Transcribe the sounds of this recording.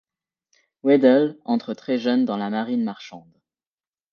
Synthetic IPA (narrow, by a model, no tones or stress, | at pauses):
wɛd̪ɛlɑ̃t̪χət̪χɛʒœnd̪ɑ̃lamaʁinmaʁʃɑ̃d̪